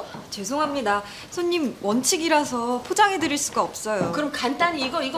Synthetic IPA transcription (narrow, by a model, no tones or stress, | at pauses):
t͡ɕe̞s̬ʰoŋɦamɲida | sʰoɲːimwʌnt͡ɕʰiɡiɾasʰʌpʰod͡ʑaŋɦe̞dɯɾiɭs͈uɡaʌp̚s͈ʌjokɯɾʌmkant͈aɲiːɡʌiɡʌ